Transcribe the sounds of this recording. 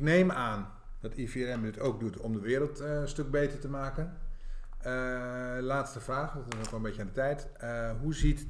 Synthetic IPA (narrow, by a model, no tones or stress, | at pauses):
knejmaːn | d̥ɑtʰifiɾɛmdɪtoːk̚dutʰɔmdəʋɪːɾəlˠtstøk̚beːtərtəmaːkən | əlaːtstəfraːxdɔtɪsnokʋɔlˠəmbecəaːdətɛjt | ɦuzit